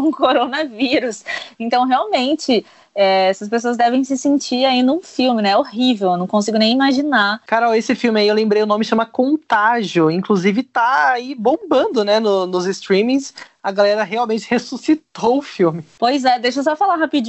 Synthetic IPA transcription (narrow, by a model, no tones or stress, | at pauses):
ũkoɾonɐviɾʊsẽnt̪ɐ̃w̃ɦeawmẽnt͡ʃɪ | ɛɛsɐspesoɐzd̪ɛvẽj̃s̬ɪsĩnt͡ʃiɾainũfiwmɪnɛɛohivewewnɐ̃w̃kõs̬iɡʊnẽj̃imaʒinaɾkaɾawesɪfiwmɪaiewlẽmbɾejʊnõmɪʃɐ̃mɐkõnt̪aʒiʊĩkluzivɪt̪aaibõmbɐ̃nd̪ʊnɛnʊnʊzɪst̪ɾĩmĩs | ɐɡalɛɾɐɦeawmẽnt͡ʃɪhesusit̪owʊfiwmɪpojzɛd̪ejʃos̬ɔfalaɦapid͡ʒ